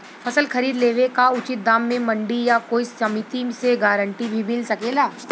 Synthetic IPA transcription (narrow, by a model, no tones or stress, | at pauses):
fʰɐsəlxɐɾiːd̪leːʋekaʊt͡ʃɪt̪̚d̪aːmːẽmɐ̃ɳɖijakoːisɐmɪt̪imseɡaːɾə̃ɳʈibʱimɪlsɐkeːlaː